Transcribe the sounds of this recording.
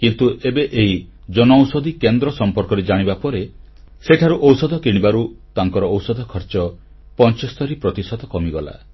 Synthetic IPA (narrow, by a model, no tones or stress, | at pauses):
kint̪uʔebeʔeɦid͡ʒɔnɔwsɔd̪ʱikend̪ɾɔsɔmpɔɾkɔɾed͡ʒaɽ̃ibapɔɾe | seʈʰaɾuʔɔwsɔd̪ʱɔkiɽ̃ibaɾut̪aŋkɔɾɔːwsɔd̪ʱɔkʰɔɾt͡ʃɔ | pɔnt͡ʃɔst̪ʰɔɾipɾɔt̪isɔd̪ɔkɔmiɡɔla̰